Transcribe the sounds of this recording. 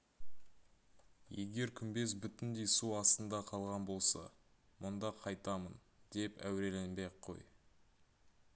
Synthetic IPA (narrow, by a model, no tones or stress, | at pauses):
je̞ɡʲe̞ɾkʲʰʏnbe̞s̬bʏt̪ɪnd̪e̞jsuɑst̪ənd̪ɑqʰɑlˠʁɑnbo̞lˠsɑ̰ | mʊnd̪ɑqʰɑjt̪ɑmən | d̪̥e̞pæ̰wɾe̞le̞nbe̞qʰːo̞̰j